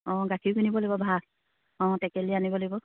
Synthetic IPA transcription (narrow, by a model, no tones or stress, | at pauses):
ɔ̃ɡakʰiʊkʰinibɔlojbɔbʱa | ɔ̃tɛkɛlianibɔlojbɔ